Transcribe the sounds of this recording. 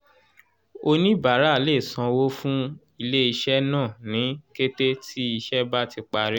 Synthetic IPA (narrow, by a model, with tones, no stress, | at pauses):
o˧nĩ˦ba˨˦ɾa˦a˨le˦˨sã˧wo˦fũ˦ | i˧le˦i˧ʃɛ˦nãː˦˨nĩ˨˦ke˦te˦tʰi˦i˧ʃɛ˦ba˦ti˧k͡pa˧ɾi˦